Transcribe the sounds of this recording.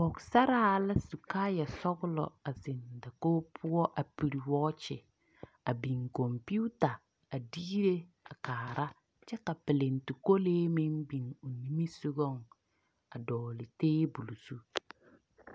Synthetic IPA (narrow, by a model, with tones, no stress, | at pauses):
bɔ˨ksa˦ɾa˦la˦su˨kaː˦ja˨sɔ˦ɡʊ˦lɔ̰˨a˨zɪ˨nda˨koː˦pʰʊ˦ɔ˦ʔa˨pi˨ɾi˨wɔ˦t͡ʃɪ˨ | a˨bi˨ŋkɔ˨mpu˦ta˨ | a˨diː˦ɾe˦ | a˨kaː˨ɾa˦ | t͡ʃɛ˦ka˨pɪ˨le˨ntu˨ko˦leː˦me˦mbi˨ŋo˨ni˦mi˦su˦ɡɔ˦˨ŋ | a˨dɔː˨lɪ˨teː˦bu˨lu˨su˦